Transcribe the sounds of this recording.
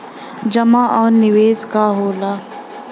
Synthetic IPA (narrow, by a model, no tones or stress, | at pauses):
d͡ʒɐmaʔɔːɾnɪweːskaɦoːlaː